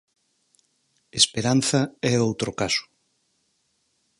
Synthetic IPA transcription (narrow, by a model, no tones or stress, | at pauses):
espeɾan̟θɐɛowt̪ɾokasʊ̥